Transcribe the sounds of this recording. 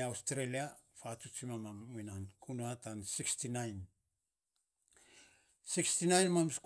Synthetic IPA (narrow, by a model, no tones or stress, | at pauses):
awstɾeliafatut͡ʃimamaminankʰunuatansikstinajn | sikstinajnmamsk